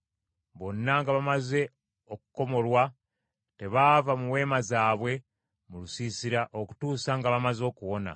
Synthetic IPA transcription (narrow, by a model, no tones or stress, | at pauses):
βo̞nːaŋɡaβamaze̞ | oku̥ko̞mo̞lwa | te̞βavamuwe̞ːmazaːβwe̞ | mulusiːsiɾaʔoku̥tuːsaŋɡaβamazo̞ːkuwo̞na̰